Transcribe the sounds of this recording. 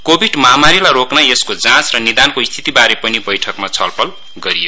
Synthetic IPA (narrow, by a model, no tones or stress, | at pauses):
kobʱiɖmʌɦamaɾilaɾoknaeskod͡zãt͡srʌnid̪ankoist̪ʰi̥t̪ibaɾepʌnibʌjʈʰʌkmat͡sʰʌlpʰʌl | ɡʌɾijo